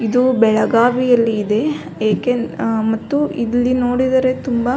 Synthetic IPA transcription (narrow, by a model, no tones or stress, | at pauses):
id̪ubɛɭɐɡaːʋijɐlːiːd̪e̞ | eːkemɐt̪ːuilːino̞ːɽid̪ɐɾe̞t̪umbɐ